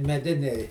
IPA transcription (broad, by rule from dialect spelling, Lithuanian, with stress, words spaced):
mʲɛˈdʲɪnʲɛɪ